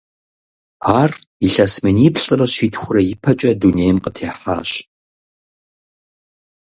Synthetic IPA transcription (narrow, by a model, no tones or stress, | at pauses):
aːriɬɐsmɨniːpɬʼɨrɐɕiːtʰxʷʊrɐjɪpʰɐt͡ʃʼɐduːneːjmqətʰeːħa̰ːɕ